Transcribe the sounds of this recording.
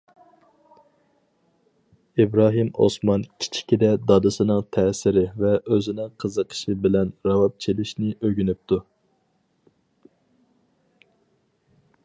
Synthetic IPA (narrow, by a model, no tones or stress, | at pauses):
ibɾɑːɦimo̰smɑnkʲʰi̥t͡ʃʰi̥kʲid̪ɛd̪ɑd̪ɨsɨnɨŋt̪ʰɛsɪɾɪvɛʔøzɪnɪŋqʰəzəqʰə̥ʃɨbɪlɛnɾɑwɑp̚t͡ʃʰelɪʃnɪʔøɡʲynyp̚t̪ʰu